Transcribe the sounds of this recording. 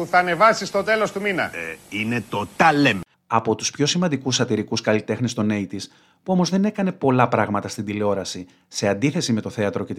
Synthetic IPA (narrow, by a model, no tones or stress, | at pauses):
uθɐːne̞vɐsist̪o̞t̪e̞lo̞st̪uminɐ̰inet̪ot̪ɐlem | ɐpo̞t̪u̥spço̞simɐnd̪ikusɐt̪iɾikuskɐlit̪e̞xnest̪o̞ne̞it̪is | puo̞mo̞zðe̞ne̞kɐne̞po̞lɐpɾɐɣmɐt̪ɐst̪ind̪ileo̞ɾɐsi | se̞ɐnd̪iθe̞sime̞t̪o̞θe̞ɐt̪ɾo̞ce̞